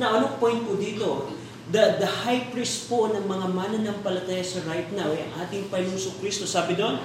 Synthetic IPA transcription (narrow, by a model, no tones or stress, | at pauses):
nɐʔɐnokpojnt̪̚pʊd̪iːt̪o̞ | d̪ɐd̪ɐhajpɹist̪̚ponɐŋmɐŋamaːnɐnɐŋpɐlɐt̪aːjɐsɐɾajt̪nawjɐ̰ŋʔaːt̪ɪŋpɐnosʊkɾist̪o̞saːbɪd̪on